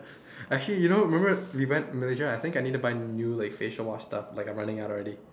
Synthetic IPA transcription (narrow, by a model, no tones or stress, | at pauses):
aɛk̚t͡ʃəlijunoɹimɛ̃mbəwiwɛ̃ntmɪled͡ʒaaɪθɪ̃ŋkaɪnid̚tːubaɪnjulaɪkfeʃəlwɔstaflaɪkãmɹanɪ̃ŋaʊtɔlɹɛɾi